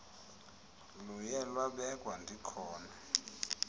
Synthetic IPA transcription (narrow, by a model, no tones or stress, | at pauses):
lujɛlwaɓɛkʼwandʱikʰɔːna